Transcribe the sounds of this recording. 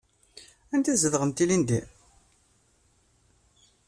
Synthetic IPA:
ænt̪æzəðʁənt̪ilind̪i

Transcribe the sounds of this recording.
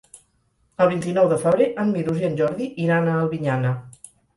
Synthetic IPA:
əlˠβ̞int̪inɔwðəfəβɾeʔənmiɾuziənʲʒɔɾðiʔiɾanəːlˠβiɲanə

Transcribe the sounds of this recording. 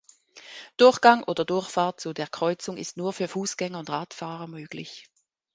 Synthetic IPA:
d̥ʊɐçɡ̥aŋʔoːdɐdʊɐçfaːɐt̚t͡sudeːɐkʁ̥ɔʏt͡sʊŋɪ̰stnuːɐfyːɐfuːsɡ̥ɛŋɐʊndʁaːtfaːʁɐmøːɡ̥lɪ̰ç

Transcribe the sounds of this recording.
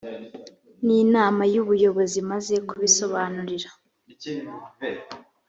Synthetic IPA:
ninaːmajuβujo̞βo̞zimaze̞kuβiso̞βaːnuɾiɾa

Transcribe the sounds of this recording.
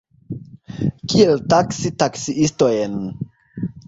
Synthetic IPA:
kieltaksitaksiistojen

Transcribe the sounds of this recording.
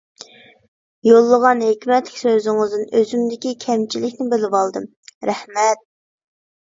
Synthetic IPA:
jolˠːəʁɑnhekʲmɛt̪lɪkʲsøzɪŋɨzd̪ɨnøzymd̪ɪkʲikʲʰɛmt͡ʃʰilɪkʲnɪbɪlɪbɑlˠd̪ɨm | ɾæhmɛt̪̚

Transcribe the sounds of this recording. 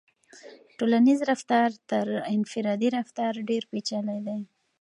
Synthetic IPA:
ʈolanizɾaft̪ɑɾt̪əɾɪnfɪɾɑd̪iɾaft̪ɑɾɖeɾpet͡ʃalajd̪a

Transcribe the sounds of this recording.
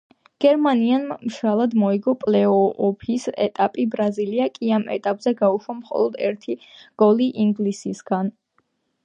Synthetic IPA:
ɡ̥ɛɾmanianmʃalˠad̪mɔiɡɔpʼlɛɔːpʰisɛ̰t̪ʼapʼibɾaziliakʼiamɛ̰t̪ʼapʼz̥ɛɡauʃwamχɔ̰lˠɔd̪ɛ̰ɾt̪ʰiɡ̥ɔliʔiŋɡlisisɡan

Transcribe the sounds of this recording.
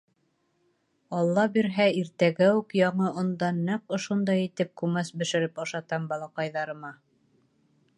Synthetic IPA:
ɑlˠːɑbiɾɦæiɾt̪æɡæʉkjɑɴɤŏnd̪ɑnːɤqŏʃond̪ɑjit̪ɘp̚kʉmæsbɘ̆ʃɘ̆ɾɘpɑʃɑt̪ɑmbɑlˠɑqɑjðɑɾɤ̆mɑ

